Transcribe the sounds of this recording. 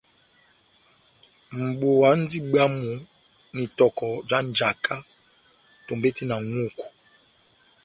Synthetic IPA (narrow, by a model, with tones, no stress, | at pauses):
m̩˨ɓo˨wa˨˦n̩˦di˦ɓa˦mu˨ | ni˨tɔ˨kɔ˨d͡ʒa˦n˨d͡ʒa˨kʰa˦ | to˨mbe˦ti˦na˨ŋu˦˨ku̥˨